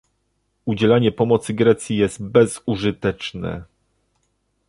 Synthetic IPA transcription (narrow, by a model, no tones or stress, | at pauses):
ud͡ʑɛlaɲɛpɔmɔt̪sɘɡɾɛt̪sʲjijɛst̪̚bɛzuʐɘt̪ɛt͡ʂnɛ̰